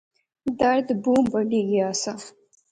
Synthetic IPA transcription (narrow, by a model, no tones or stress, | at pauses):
d̪aɾd̪bumbaɖiɡiasa